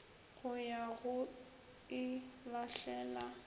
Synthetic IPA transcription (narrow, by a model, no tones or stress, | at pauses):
ɣʊjaɣʊ | ɪlaɬɛːla